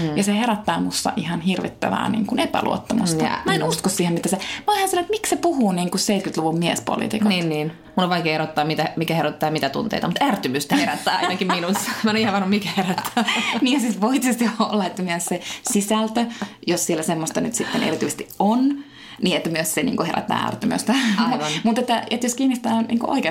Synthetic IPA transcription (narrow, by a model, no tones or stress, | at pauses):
jɑseheɾæt̪ːɑːmust̪ːɑ̰ʔihɑnhirʋḭt̪ːæ̰ʋæ̰ːnḭːŋkunepæ̰lṵo̰t̪ːɑmust̪ɑɑ̰mæenuskossiːhemit̪ːæsemolehɑnsɑnoet̪miksepuhuːniːŋkusseit̪̚kyt̪luʋummiɛ̰spo̰lḭt̪ḭkɑniːnniːn | munːoʋʋɑikeːherot̪ːɑːmmit̪æmikæheɾot̪ːɑːjɑmit̪æt̪ṵnt̪ḛit̪mut̪ært̪ymyst̪æeræt̪ːæːɑ̰nɑkimminusːɑ̥mːæenoihɑʋɑnːumikæheræt̪ːæːmiːhæsit̪ʋoit̪isest̪iolːɑet̪ːæmyøssesisælt̪øjossielːæsemːost̪ɑnyt̪sit̪ːenʔḛrit̪yːˑse̥st̪ion | niːet̪ːæmyøssenḭːŋkoheræ̰t̪ːæ̰ːæ̰rt̪ymø̰st̪æmut̪et̪ːæet̪joskiːnist̪æːnnḭːko̰ʔo̰ike